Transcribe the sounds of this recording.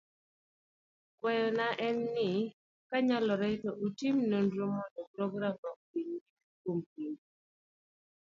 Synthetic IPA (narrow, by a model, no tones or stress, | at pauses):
kwɛjɔnaʔɛnːɪ | kaɲalɔɾɛtɔʔutimnondɾomɔndɔpɾɔɡɾamɔk̚piɲi | kompiŋi